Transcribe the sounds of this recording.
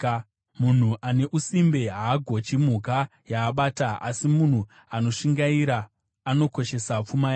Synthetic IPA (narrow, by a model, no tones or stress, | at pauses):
mun̤uʔane̞ʔusimbe̞ɦaːɡʱo̞t͡ʃim̤uka | jaːɓaːtaa̰simun̤u | ano̞ʂiŋɡaiɾaː | no̞ko̞ʃe̞sap͡fumaja